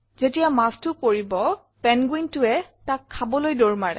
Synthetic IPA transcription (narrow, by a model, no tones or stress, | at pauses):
zetijamastʊkoɹibɔ | pɛnɡwintʊɛtakʰːabɔlojdoɹmaɹɛ̰